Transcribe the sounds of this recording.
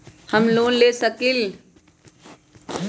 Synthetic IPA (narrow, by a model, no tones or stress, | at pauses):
həmloːnleːsəkɪl